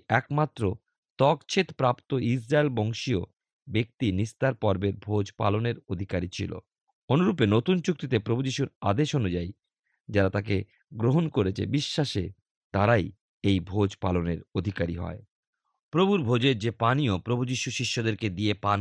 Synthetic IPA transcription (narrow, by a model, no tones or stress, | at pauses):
ɛkmat̪ːɾo | t̪ɔkt͡ɕʰet̪pɾapt̪oisɾaelbɔŋʃio̰ | bek̚t̪inist̪aɾpɔɾbeɾbʱod͡ʑpa̰loneɾod̪ʱikaɾit͡ɕʰilo̰ | onuɾup̬enot̪unt͡ɕuk̚t̪it̪epɾobʱud͡ʑiʃuɾa̰d̪eʃonud͡ʑaj | d͡ʑaɾat̪ak̬e | ɡɾoɦonkoɾet͡ɕʰḛbiʃːaʃḛ | t̪aɾaj | ejbʱod͡ʑpaloneɾod̪ʱikaɾḭɦɔ̰e | pɾobʱuɾbʱod͡ʑeɾd͡ʑepaniopɾobʱud͡ʑiʃuʃiʃːod̪eɾked̪iepan